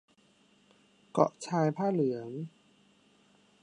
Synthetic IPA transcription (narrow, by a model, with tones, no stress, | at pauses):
kɔ̰˨˩ʔt͡ɕʰaː˧jpʰaː˥˩lɯ˩˦ŋ